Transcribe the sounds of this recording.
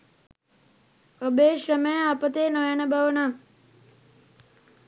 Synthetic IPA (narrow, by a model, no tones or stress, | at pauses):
obeːʃrəmejəapət̪eːnojanəbaʋəna